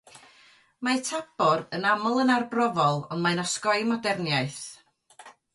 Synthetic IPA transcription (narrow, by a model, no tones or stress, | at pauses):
matʰab̥ɔrənamɔlˠənarbrɔvɔlˠɔndmajnɔskɔɨmɔdɛrnjajθ